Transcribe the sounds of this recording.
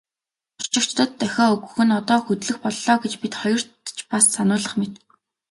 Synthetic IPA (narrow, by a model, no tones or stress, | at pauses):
ʊr̥t͡ɕɪ̆kt͡ɕt̪ə̆t̪ːæxʲɔːɵɣɵ̆xɘ̆nɔt̪ɔːxɵt̪ɮɵ̆xpɔɮɔːɡet͡ɕpit̪χɔjɞ̆r̥t̪t͡ɕpasːanʊːɮə̆χmet̪ɘ̆k